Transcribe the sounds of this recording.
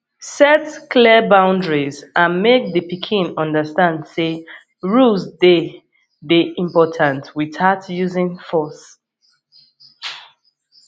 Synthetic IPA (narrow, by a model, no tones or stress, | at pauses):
sɛtklɛbãʊ̃ndɹizãnmek̚ðəpikʰĩnɔ̃ndəstãndse | ɹuzde | deʔĩmpɔtʰãntwiθatjuzĩŋfɔs